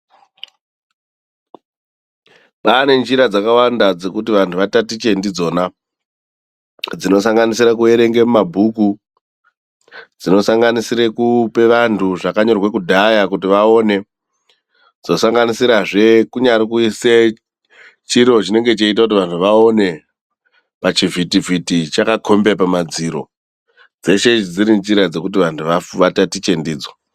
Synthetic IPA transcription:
pane̞nd͡ʒiɾad͡zakawandad͡ze̞kutiʋantʰuʋatatit͡ʃe̞ndid͡zo̞ːna | d͡zino̞saŋɡanisiɾak̬ue̞ɾe̞ŋɡe̞mumabʱuku | d͡zino̞saŋɡanisiɾekupe̞ʋantʰuʐakaɲo̞rwe̞kudʱajakutiʋao̞ne̞ | d͡zo̞saŋɡanisiɾaʐe̞kuɲaɾikuise | t͡ʃiɾo̞t͡ʃine̞ŋɡe̞t͡ʃait̬akut̬iʋantʰuʋao̞ne̞ | pat͡ʃivʱitivʱitit͡ʃakakʰo̞mbepamad͡ziɾo̞̰ | d͡ze̞ʃe̞t͡ʃid͡ziɾint͡ʃiɾad͡ze̞kut̬iʋantʰuʋaʋatatit͡ʃe̞ndiːd͡zwa

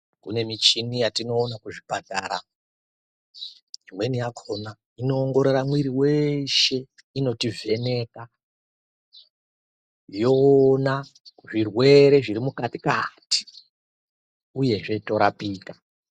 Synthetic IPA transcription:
kṵne̞mit͡ʃinijatino̞ːnakuʐibataɾa̰ | ʐimwe̞nijakʰo̞na | ino̞ːŋɡo̞ɾeɾamwiɾiwe̞ʃe̞ | ino̞tivʱe̞ne̞ka | jo̞naʐirwe̞ɾe̞ʐiɾimukatikati̥ | uje̞ʐe̞to̞ɾapiːkḁ

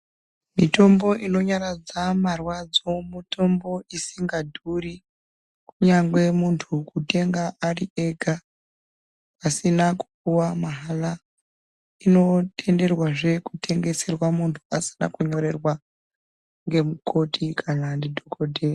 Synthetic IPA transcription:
mito̞mbo̞ʔino̞ɲaɾad͡zamarwad͡zo̞muto̞mbo̞isiŋɡadʱuri | kuɲaŋɡwe̞muntʰukute̞ŋɡaʔariʔe̞ɡʱa | pasinaku̥p̚uwamaɦala | ino̞te̞nde̞rwaʐe̞kutʰe̞ŋɡe̞se̞rwamuntʰu̥asi̥na̰kuɲo̞ɾe̞rwa | ŋɡe̞muko̞tikʰanandidʱokodʱe

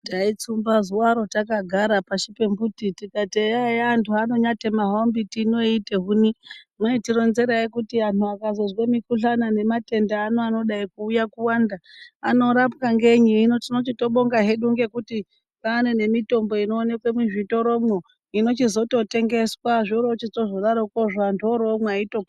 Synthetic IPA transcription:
tait͡sumbazuwaɾo̞takaɡʱaɾapaʃipe̞mbutitikateajantʰuano̞ɲatemaɦombitino̞ite̞ɦunimwetiɾo̞nze̞ɾaikutiantuakazozwemikuɬanane̞mate̞ndaːnoano̞ɗaikuːjakuwandaa̰no̞ɾapkaŋɡe̞ɲiːnotino̞t͡ʃito̞ɓo̞ŋɡaɦeɗuŋɡe̞kuti | kaːne̞ne̞mito̞mbo̞ino̞ːne̞kwemiʐito̞ɾo̞mwo | ino̞t͡ʃizo̞to̞te̞ŋɡe̞swaʐioɾot͡ʃitoʐoɗaɾokoʐantʰuoɾoːmwaito̞p

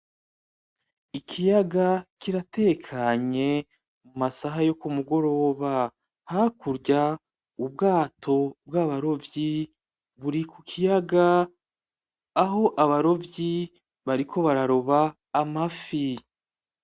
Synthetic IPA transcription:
ikʰijaɡakiɾate̞kʰaɲe̞ | mumasaɦajo̞kumuɡo̞ɾo̞ːβa | hakuɾɟa | ub̚ɡaːtʰo̞bɡaβaɾo̞vji | βuɾikukʰijaɡa | ɦo̞ʔaβaɾo̞vji | βaɾikʰo̞βaɾaɾo̞βaː | mafi

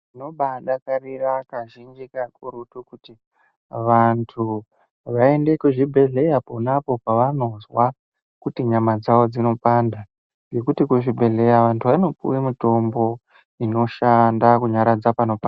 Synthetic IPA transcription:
ino̞ɓaɗakarirakaʒind͡ʒikakuɾutukuti | ʋantʰu | ʋae̞nde̞kuʐibʱe̞ɮe̞japonapo̞paʋano̞zwa | kutiɲamad͡zaʋo̞d͡zino̞panda | ŋɡe̞kutikuʐibʱe̞ɮe̞jaʋantʰuʋano̞pṵwimito̞mbo̞ | ino̞ʃandakuɲaɾad͡zapano̞pan

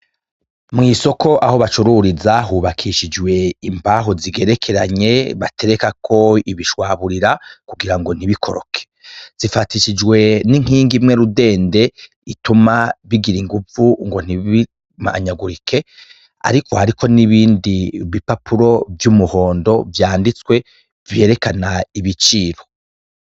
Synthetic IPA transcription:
mŋiːso̞ko̞ʔaho̞βat͡ʃuɾuɾizaɦuβakʰiʃid͡ʒwe̞impaɦoziɡe̞ɾe̞kʰe̞ɾaɲe̞βa̰te̞ɾekakʰo̞iβiʃwaːβuɾiɾakuɡiɾaŋɡo̞n̥iβikʰo̞ɾo̞̰kʰe̥z̥ifatiʃid͡ʒɡwe̞niŋ̥iːŋɡimŋeɾude̞ːnde̞ | itumaβiɡiɾiŋɡuvuŋɡo̞n̥ii | ma̰ɲaɡuɾikʰe̞ | a̰ɾiko̞haɾiko̞niβiːndiβipapʰuɾo̞vjumuho̞ːndo̞vjaːndit͡swe̞ | vje̞ːɾe̞kanaiβit͡ʃiːɾo̞

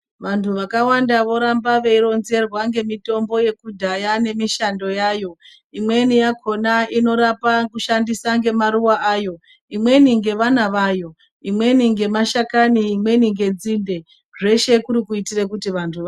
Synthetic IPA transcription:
ʋantʰuʋakawandaʋo̞ɾambaʋeiɾo̞nze̞rwaŋɡe̞mito̞mbo̞je̞kudʱajane̞miʃando̞jaːjo̞ | imwe̞nijakʰo̞naino̞ɾapakuʃandisaŋɡe̞maɾuwaʔaːjo̞ | imwe̞niŋɡe̞ʋanaʋajo̞ | imwe̞niŋɡe̞maʃakaniːmwe̞niŋɡe̞d͡zinde̞ | ʐe̞ʃe̞kuɾikuitirekutiʋantʰuʋa

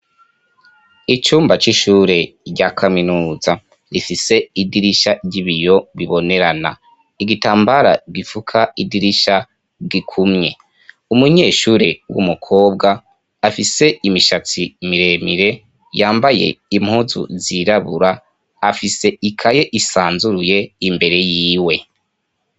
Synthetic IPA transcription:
it͡ʃuːmbat͡ʃiʃuːɾe̞ɟakʰaminuːza | ɾifise̞idiɾiʃaɟiβijo̞βiβo̞ne̞ɾana̰ | iɡitaːmbaɾa̰ɡifukʰaidiɾiʃa | ɡikʰumɲe̞ | umuɲe̞ːʃuɾewṵmukʰo̞ːbɡaː | fise̞imiʃat͡simiɾe̞miɾe̞ | jaːmbaje̞̰imhuzṵziɾaβuɾaː | fise̞ikʰaje̞ʔisaːnzuɾuje̞imbe̞ɾe̞jiːwe̞

